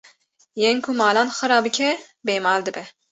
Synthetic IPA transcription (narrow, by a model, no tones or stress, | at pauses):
jenkʰumɑːlɑːnxɨɾɑːbɨkʲʰɛ | beːmɑːld̪ɨbɛ